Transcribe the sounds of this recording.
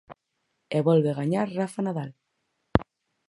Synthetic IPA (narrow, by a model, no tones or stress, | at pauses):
eβolβeɣaɲaɾrafanaðal